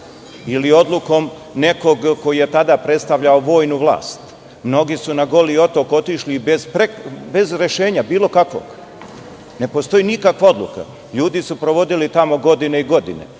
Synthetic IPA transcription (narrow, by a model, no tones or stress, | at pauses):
ilio̞d̪lˠuko̞m | ne̞ko̞ɡko̞jije̞t̪ad̪apɾet̪st̪aʋʎaoʋo̞ːjnuʋlˠa̰ːst̪ | mno̞ɡisunaɡo̞lio̞t̪o̞ko̞t̪iʃlibezpɾekbe̞zɾe̞ʃe̞ːɲabiːlo̞kakʋo̰ɡ̥ | ne̞po̞st̪o̞jinikakʋao̞d̪lṵka̰ | ʎuːd̪isupɾo̞ʋo̞d̪ilit̪amo̞ɡo̞d̪ine̞iɡo̞d̪ḭne̞̰